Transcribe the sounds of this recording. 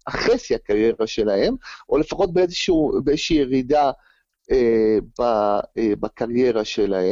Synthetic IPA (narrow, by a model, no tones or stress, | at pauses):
aχesiakaʁje̞ʁaʃe̞lahe̞mʔo̞le̞faχo̞t̪̚beezeʃubeezeʃiːjeʁida | ebaebakaʁje̞ʁaʃe̞lahe